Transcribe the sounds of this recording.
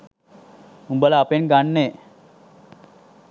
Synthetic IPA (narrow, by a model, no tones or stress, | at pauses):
umbəlaːpenɡanːe